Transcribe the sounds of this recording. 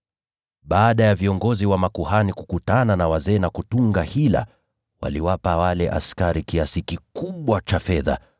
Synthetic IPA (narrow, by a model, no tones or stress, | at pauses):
ɓaːɗajaviɔŋɡɔziwamakuhanikukutananawazɛːnakutuŋɡahila̰ | wa̰liwapawalɛʔa̰skaɾikiasikikuɓwat͡ʃafɛða̰